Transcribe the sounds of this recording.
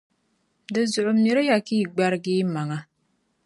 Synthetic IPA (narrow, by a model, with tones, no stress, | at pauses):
dɨ˨zʊ˨ʔʊ˨mi˨ɾɨ˦ja˨kiː˦˨ɡ͡ba˦ɾɨ˦ɡiː˦ma˨ŋa˨˦